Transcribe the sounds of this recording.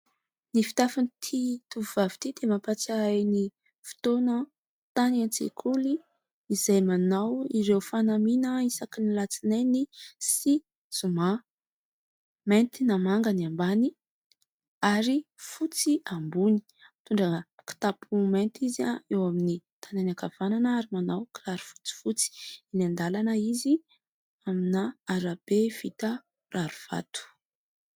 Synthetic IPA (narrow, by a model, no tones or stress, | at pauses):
nifi̥t̪afanit̪ʰit̪uvuvavi̥t̪id̪̥emapat͡saajni | fi̥t̪onə | t̪anant͡sḛkʰuli | izajmanawiɾewfanaminəisakinilat͡sinajnisi | z̥uma | ment̪inamaŋɡəniambani | aɾifut͡siambuni̥ | t̪uɳɖ͡ʐaki̥t̪apʰument̪izaewaminit̪ʰananakav̥ananəaɾimanawkiraɾufu̥t͡si̥fut͡si̥inand̪alanəizi | aminaaɾab̥ev̥it̪ə | raɾuv̥a̰t̪u̥